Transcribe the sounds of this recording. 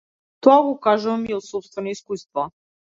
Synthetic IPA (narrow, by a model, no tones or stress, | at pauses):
t̪ɔaɡɔkaʒumiɔsɔpst̪vɛnɔiskust̪va